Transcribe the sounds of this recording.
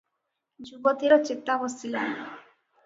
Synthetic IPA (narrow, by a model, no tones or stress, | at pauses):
d͡ʒubɔt̪iɾɔt͡ʃet̪abɔsilan